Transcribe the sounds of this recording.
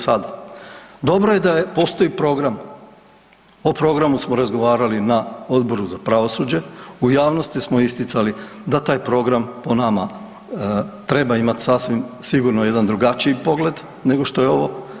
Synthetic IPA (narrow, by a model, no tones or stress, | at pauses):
sad̪ad̪o̞bɾoje̞d̪ajepo̞ːst̪o̞ipɾo̞ɡɾam | opɾo̞ɡɾamusmoɾazɡo̞ʋaːɾalinao̞d̪bo̞ɾuzapɾaʋo̞sud͡ʑe̞ujaːʋnost̪ismo̞ist̪it̪sali | d̪at̪aːjpɾo̞ɡɾampo̞nama | t̪ɾe̞baimat̪sasʋimsiɡuɾnoje̞d̪and̪ɾuɡat͡ʃiipo̞ɡle̞d̪ | ne̞ɡo̞ʃt̪o̞je̞o̞ʋo̞